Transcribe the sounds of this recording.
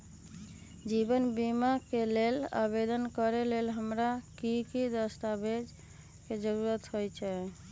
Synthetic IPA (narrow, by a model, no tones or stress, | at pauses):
d͡ʒibənbimakelela̰bed̪ənkəɾelelɦəmɾakikid̪əst̪abed͡ʒ | ked͡ʒəɾuɾət̪ɦojt͡ʃʰɛ